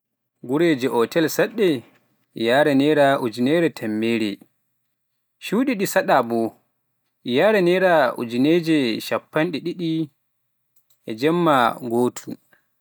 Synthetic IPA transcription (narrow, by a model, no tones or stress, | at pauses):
ɡuɾed͡ʒɛʔɔtɛlsaɗːɛ | jaːɾɛnɛɾaʔud͡ʒinɛɾɛtʰɛmːeːɾɛ̰ | ʃuːɗiɗisaɗabɔ | jaɾɛnɛɾaṵd͡ʒined͡ʒɛʃapːanɗɛɗiɗi | ʔɛd͡ʒɛmːaɡoːtʰu